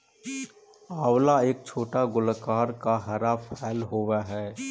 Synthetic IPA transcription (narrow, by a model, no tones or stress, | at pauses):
aːwlaeːk̚t͡ʃʰoːʈaɡʊlkaːɾkaɦɐɾapʰɛːlɦoːʋaɦɛː